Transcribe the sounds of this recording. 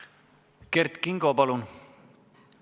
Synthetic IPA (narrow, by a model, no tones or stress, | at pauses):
kert̪kiŋɡopɑlun